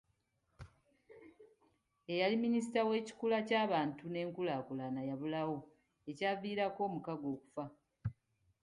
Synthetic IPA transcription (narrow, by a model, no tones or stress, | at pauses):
e̞jaliminis̬itawe̞ːci̥kulacaːβaːntune̞ːŋkulaːkulanajaβulawo̞ | e̞caːviːɾako̞ːmukaɡo̞ːku̥fa